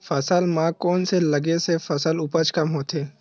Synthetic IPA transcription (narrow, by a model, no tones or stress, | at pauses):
fɐsəlmãkɔːnselɐɡesefɐsəlʊpət͡ʃkɐmɦoːt̪ʰeː